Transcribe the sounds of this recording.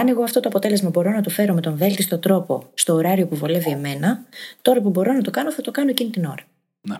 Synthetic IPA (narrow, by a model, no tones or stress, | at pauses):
ɐne̞ɣo̞ɐft̪o̞t̪oɐpo̞t̪e̞le̞zmɐbo̞ɾo̞nɐt̪ofe̞ɾo̞me̞t̪o̞ɱve̞lt̪ist̪o̞t̪ɾo̞po̞st̪o̞ːɾɐɾio̞puvo̞le̞vie̞me̞nɐt̪o̞ɾɐpubo̞ɾo̞nɐt̪o̞kɐno̞θɐt̪o̞kɐno̞ecinit̪ino̞ɾɐ